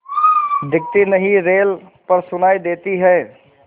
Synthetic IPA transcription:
d̪ɪk̚t̪inəɦiɾeːl | pəɾsʊnaːid̪eːt̪iɦɛː

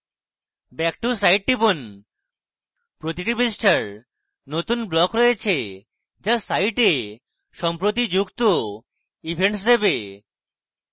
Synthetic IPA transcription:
bɛk̚ʈusajʈ̚ːibon | pɾot̪iʈibesʈʰaɾ | not̪unblɔkɾɔjet͡ɕʰe | d͡ʑasajʈe | ʃɔmpɾot̪̬id͡ʑukt̪o | ibʱeɳʈs̬d̪ebe

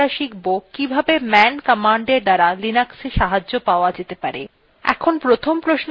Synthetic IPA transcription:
aʃikbokkːibʱabemɛnkamaɳɖeɾd̪aɾalinakseʃaɦad͡ʑːopaoad͡ʑet̪epaɾḛ | ɛ̰kʰonpɾot̪ʰompɾoʃn

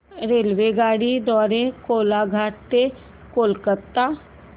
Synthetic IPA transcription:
ɾeːlʋeɡaːɽid̪ɔːɾekoːlaɡʱaːʈ̚t̪e | koːlkət̪ːa

